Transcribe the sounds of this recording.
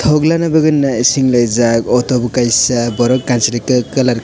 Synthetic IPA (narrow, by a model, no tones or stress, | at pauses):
t̪ʰɔɡlanabɯɡɯnːaisiŋlajzakɔtɔbukajsabɔɾɔkkansiɾikɯkɐlaɾ